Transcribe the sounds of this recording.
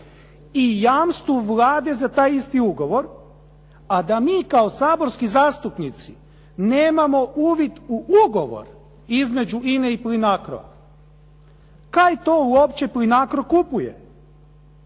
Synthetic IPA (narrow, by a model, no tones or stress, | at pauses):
ijaːmst̪ʋuʋlaːd̪e̞zat̪aːjist̪iuɡo̞ʋo̞ɾ | ad̪amiːkaosaːbo̞ɾskizaːst̪upnit̪si | neːmamo̞ʔuːʋit̪uʔuɡo̞ʋo̞̰ɾ | izme̞d͡ʑuineiplinakɾo̰ʋa̰ | kajt̪ouopt͡ɕeplinakɾokupujḛ